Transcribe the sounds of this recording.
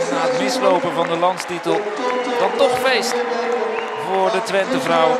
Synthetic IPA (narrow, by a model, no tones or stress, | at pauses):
naːɦətmɪslowpənvɑndəlɑntstitəlˠ | d̥ɑntɔχfejst | vʊːɹdətʋɛntəvrʌw